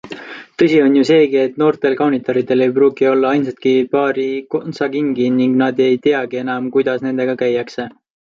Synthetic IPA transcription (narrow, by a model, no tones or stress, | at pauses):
t̪ɤ̞sʲio̞njuse̞ːɡie̞t̪ːˑno̞ːrt̪e̞lkɑwnit̪ˑo̞ɾit̪ːˑe̞le̞jpruːɡio̞lːɑɑjnsɑt̪̚kipɑːɾikonsɑɡiŋɡiniŋɡnɑd̪e̞jt̪eɑɡ̥ie̞nɑmkujd̪̥ɑsne̞nd̪e̞ɡ̥ɑkæjːɑkse̞